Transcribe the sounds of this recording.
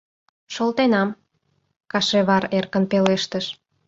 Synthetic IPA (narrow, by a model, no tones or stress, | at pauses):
ʃolt̪enɑm | kɑʃeβɑɾerkə̆npeleʃt̪əʃ